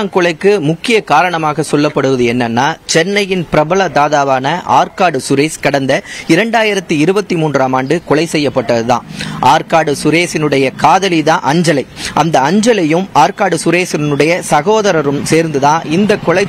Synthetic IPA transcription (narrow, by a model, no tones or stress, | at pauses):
nkɔɭɐɪkːɯmʊkːɪjɐkaːɾɐɳɐmaːɣɐsɔlːɐpːɐɽɯʋɐðɯɛnːɐnːaːt͡ʃɛnːɐjɪnpɪɾɐbɐlɐd̪aːðaːʋaːnɐʔa̰ːɾkaːɽɯsʊɾeːskɐɽɐnd̪ɐɪɾɛɳɖaːjɪɾɐt̪ːɯɪɾɯbɐt̪ːɯmuːndraːmaːɳɖɯkɔɭɐɪsɛjːɐpːɐʈːɐðɯt̪ã̰ːʔaːɾkaːɽɯsʊɾeːsɪnɯɽɐjɐkaːðɐliðãːʔɐɲd͡ʒɐlɐɪʔɐnd̪ɐɐɲd͡ʒɐlɐjɯmaːɾkaːɽɯsʊɾeːsɪnɯɽɐjɐsɐɣoːðɐɾɐɾɯmseːɾnd̪ɯðãːɪnd̪ɐkɔɭɐɪ